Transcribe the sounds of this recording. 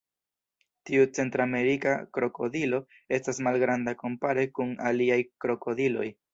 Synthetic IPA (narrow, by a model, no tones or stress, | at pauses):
tiut͡se̞ntɾame̞ɾikakɾo̞ko̞dilo̞ | e̞stasmalɡɾandako̞mpaɾe̞kuna̰liajkɾo̞ko̞dilo̞j